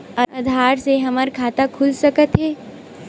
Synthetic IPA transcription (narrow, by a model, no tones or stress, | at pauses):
ɐɐd̪ʱaːɾseɦɐməɾkʰaːt̪akʰʊlsɐkət̪ɦɛː